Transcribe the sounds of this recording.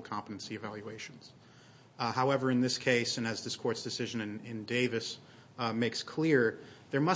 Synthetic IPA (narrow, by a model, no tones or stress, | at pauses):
l̩ˠkʰɑ̃mpəɾɨ̃n̩siɨvælˠjʉeɪʃn̩z̥ | haʊɛvə˞ɨ̃nðɪskʰeɪsɨ̃nɨzðɪskʰɔɹtsd̥ɨsɪʒɨ̃nɨ̃nɪ̃ndeɪvɨs | meɪkskʰl̥ɪɹðə˞mʌ